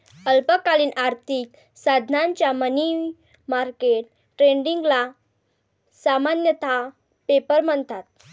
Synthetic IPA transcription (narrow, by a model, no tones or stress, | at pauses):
əlpəkaliːnʔaɾt̪ʰik | sad̪ʱnaɲt͡ɕjaməni | maɾkeʈ | ʈɾeɳɖiŋɡla | samanjət̪a | pepəɾməɳt̪at̪̚